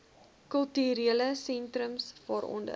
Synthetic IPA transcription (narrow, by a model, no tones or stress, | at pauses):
kəlˠtyɾiələsɛntrəmsfəɾɔ̰ndə̰